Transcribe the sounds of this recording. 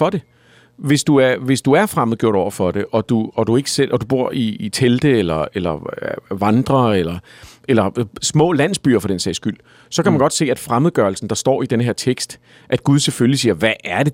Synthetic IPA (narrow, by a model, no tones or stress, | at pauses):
fɒ̽d̥e̝ | ʋe̝sd̥uæɐʋe̝sd̥uæɐfʁaməð̩ˠɡ̥o̝ɐ̰ɾ̥ɒʊɐfɒ̽ɾ̥e̝ʔɒ̽d̥uɒd̥ue̝ɡ̥ə̥sel̰ʔɒ̽dub̥u̝ɐ̰iːt͡sʰeld̥əelɐelɐʋɑ̈nd̥ʁɐelɐ | elɐsmɔ̰̽ːlæn̰sb̥y̰ːɐfɒ̽d̥ensɛ̰ɪsɡ̥yl̰ | sɒ̽kæmænɡ̥ɒ̽d̥se̝̰ːæd̥fʁamð̞̩ˠɡ̥ɶɐl̩sn̩d̥ɑ̈sd̥ɒ̰ːid̥enəɦe̝ɐ̰t͡sʰeɡ̥sd̥ | ʔæd̥̚ɡ̥uð̞ˠseføllisiːɐʋæʔæɐd̥e̝